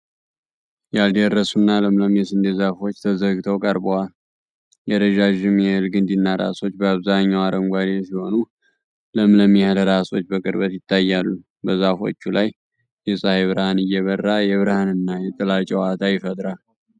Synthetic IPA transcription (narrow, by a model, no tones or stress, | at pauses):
jald̪eɾːəsunːaləmləmjɛsɨnd̪ezafo̞t͡ʃːt̪ʰəzəɡt̪ʰəwkʼəɾbowal | jɛɾəd͡ʒaʒɪmjɛhɨlɡɨnd̪inːaɾa̰so̞t͡ʃːbəaβzaɲːawaɾəmɡʷad̪jɛsiho̞nu | ləmləmjɛhɨləɾaso̞t͡ʃːbəkʼɨɾbət̪jɪt̪ʰːajːalːu | bəzafo̞̰t͡ʃːulaj | jɛsʼaheβɨɾəhanɨjːɛβərːajɛβɨɾəhanɨnːajɛt̪ʼɨlat͡ʃʼɛwat̪ʰajɪfət̪ʼɾal